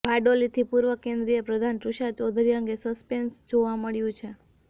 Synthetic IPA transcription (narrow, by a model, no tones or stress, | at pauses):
bʱaɖolit̪ʰipuɾʋəkẽnd̪ɾijəpɾəd̪ʱanʈɾuʃat͡ʃɔd̪ʱɾiəŋɡesəspensd͡ʒoʋaməɭjũt͡ʃʰe